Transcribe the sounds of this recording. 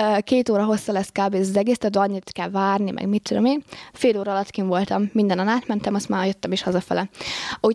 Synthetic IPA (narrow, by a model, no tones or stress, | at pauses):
keːt̪oːɾɒɦo̞sːɒlɛskaːbeːzɒzɛɡeːst̪ɛd̪øɒɲːit̪kɛlvaːrnimʔɛ̰ɡmit͡ʃyd̪ɒmeːnfeːloːɾɒːlɒt̪kiɱvo̞lt̪ɒmːind̪ɛnɒnaːt̪mɛnt̪ɛmɒst̪maːjøt̪ːɛmeːʃhɒzɒfɛ̰lɛu